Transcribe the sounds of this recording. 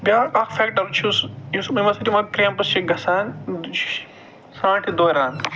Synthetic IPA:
bʲjaːɐkfeːkʈɐɾt͡ʃʰusjuspuːniʋɐɾsiʈimɐ̃kɾempɐst͡ʃʰiɡʱɐsaːn | sãːʈʰid̪oːɾaːn

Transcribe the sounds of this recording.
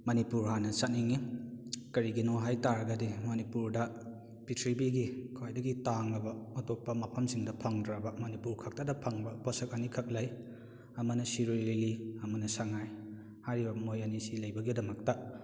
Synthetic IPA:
mɐnipuɾɦanɐsat̚niŋikɐɾiɡinoɦajtaɾɐɡɐdimɐnipuɾdɐ | pitʰɾibiɡikʰajdɐɡitaŋlɐbɐmɐtop̚pːɐmɐpʰɐmsiŋdɐpʰɐŋdɾabɐmɐnipuɾkʰɐk̚tɐdɐpʰɐŋbɐposɐk̚ɐnikʰɐk̚laj | ɐmɐnɐsiɾoliliɐmɐnɐsaŋaj | hajɾibɐmojɐnisilɐjbɐɡidɐmɐk̚tɐ

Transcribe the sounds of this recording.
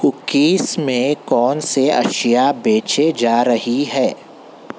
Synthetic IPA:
kʊkiːsmẽkɔːnseɐ̰ʃijabeːt͡ʃed͡ʒaːɾɐɦiɦɛː

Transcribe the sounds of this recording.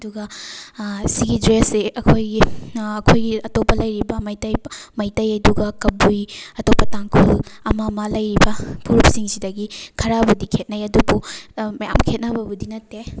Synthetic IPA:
ɐduɡɐ | siɡidɾeseɐkʰojɡiɐkʰojɡiɐtopɐlɐjɾibɐmɐjtɐjmɐjtɐjɐduɡɐkɐbujɐtopːɐtaŋkʰulɐmamɐlɐjɾibɐpʰuɾup̚siŋsidɐɡikʰɐɾabudikʰet̚najɐdubumɐja̰mkʰet̚nɐbɐbudinɐtːe

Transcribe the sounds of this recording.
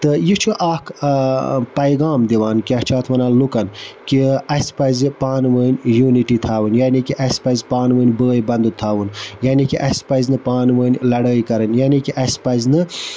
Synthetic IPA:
t̪ɨjit͡ʃʰuʔaːkʰ | pɐjɡaːmd̪iʋaːnkiɐht͡ʃʰaːt̪ʰmɐnaːlukɐnkiɐspɐzipaːnʋəːnʲjuːniʈit̪ʰaːʋɨnjaːnikiʔɐspɐzʲpaːnʋəːnʲbəːjbɐnd̪ut̪ʰaːʋunjaːnikiʔɐsʲpɐznɨpaːnʋəːnʲlɐɽəːikɐɾɐnjaːnikiʔɐspɐznɨ

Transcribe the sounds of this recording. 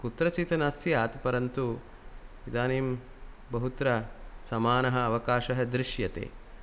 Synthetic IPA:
kut̪ɾɐt͡ʃit̪ɐnɐsjaːt̪pɐɾɐnt̪u | id̪aːniːm | bɐɦut̪ɾɐsɐmaːnɐɦɐ̆ːʋɐkaːʃɐɦɐ̆d̪ɾɪʃjɐt̪ḛː

